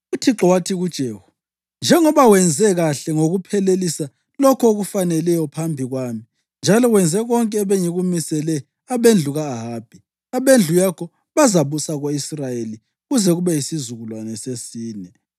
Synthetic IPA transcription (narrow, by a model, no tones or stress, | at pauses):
utʰiǁɔwatʰiɣud̥ʒ̥ʱeːhu̥ | nd͡ʒʱɛŋɔβawɛnd͡zʱɛɣaɬɛŋoɣupʰɛlelisa | lɔkʰoɣufanɛlɛjɔpʰambʱiɣwaːmi | nd͡ʒʱalɔwɛnd͡zʱɛɣɔŋkʼɛːβeɲiɣumisɛlɛ | aβend͡ɮʱuɣaːɦaːb̥ʱi | aβend͡ɮʱujakʰɔ | βazaβusaɣoisrajeli | ɣuzɛɣuβɛjisizuɣulwanɛsesiːnɛ